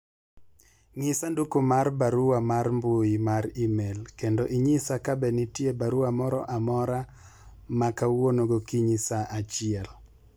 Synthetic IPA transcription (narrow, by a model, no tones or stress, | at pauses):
ŋɪsandukumarbaɾuwamarmbujimaɾimelkendoʔiɲisakabɛnitjebaɾuamɔɾɔ̰ʔamɔɾa | makawonoɡokiɲisaʔat͡ʃɪɛl